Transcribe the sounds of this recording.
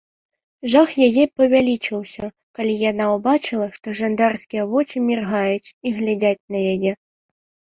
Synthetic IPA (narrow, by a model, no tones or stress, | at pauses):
ʐaxjajɛpɐvʲalʲit͡ʃɨwsʲɐ | kalʲijanaubat͡ʃɨlˠɐʂt̪ɔʐand̪arskʲijɐvɔt͡ʃʲimʲirɣajutʲiɣlʲad͡zʲat͡sʲnɐjajɛ